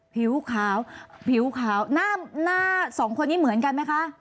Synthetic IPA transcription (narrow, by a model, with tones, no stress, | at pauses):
pʰi˨˩˦wkʰaː˩˦wpʰi˩˦wkʰaː˩˦wnaː˥˩naː˥˩sɔː˩˦ŋkʰo˧nːiː˦˥mɯ˨˩˦ənka˧nma˦˥jkʰa˦˥ʔ